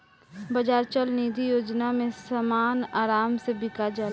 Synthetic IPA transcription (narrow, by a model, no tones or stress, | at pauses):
bɐd͡ʒaːɾt͡ʃəlniːd̪ʱijoːd͡ʒnamẽsəmaːnaːɾaːmsebɪkad͡ʒal